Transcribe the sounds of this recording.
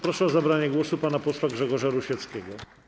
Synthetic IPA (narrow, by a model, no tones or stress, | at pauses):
pɾɔʂɛɔzabɾaɲɛɡwɔsupanapɔswaɡʐɛɡɔʐaɾuɕɛt̪skʲɛɡɔ